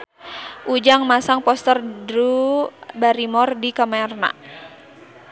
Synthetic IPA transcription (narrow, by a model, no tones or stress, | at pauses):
ʔud͡ʒaŋmasaŋpɔst̪ərdɾubaɾimɔrdikamaɛrna̰